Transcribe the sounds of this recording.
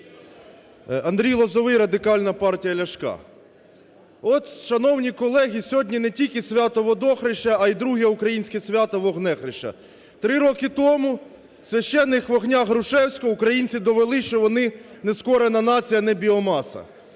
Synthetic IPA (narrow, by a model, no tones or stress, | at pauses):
ɐnd̪ɾʲijlˠɔzɔʋɪjɾɐd̪ɪkɑlʲnɐpɑrtʲijɐlʲɐʃkɑ̰ | ɔt̪ʃɐnɔwnʲikɔlˠɛɦʲisʲɦɔdʲnʲinɛtʲilʲkɪsʲʋʲat̪ɔʋɔd̪ɔxɾɪʃɐːid̪ɾuɦijɐukɾɐjinʲsʲkʲɪsʲʋʲat̪ɔʋɔɦnɛxɾɪʃɐ̰ | t̪ɾɪɾɔkɪt̪ɔmʊ | sʲʋʲɐʃt͡ʃɛnːɪxʋɔɣnʲaɦɾʊʃɛwsʲkɔukɾɐjinʲt͡sʲid̪ɔʋelˠɪʃt͡ʃɔʋɔnɪneskɔɾenɐnɑt͡sʲijɐnɛbʲiɔmɑsɐ̰